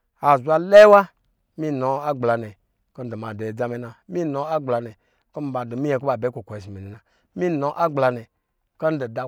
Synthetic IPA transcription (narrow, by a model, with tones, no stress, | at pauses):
a˨zu˨a˧˨le˦wa˦ | mi˦no˨a˦ɡ͡bla˨ne˨ | ko˦n̩˦do˨ma˨de˨d͡za˦me˨˦na˨mi˦no˧a˦ɡ͡bla˨ne˨ | ko˦m˦ba˨do˨mi˦je˨ko˦ba˨be˨˦ko˨kʷo˨i˨s̬i˨me˨ni˨na˨ | mi˦no˨ʔa˦ɡ͡bla˧ne˨ | ka˦n̩˦do˨da˦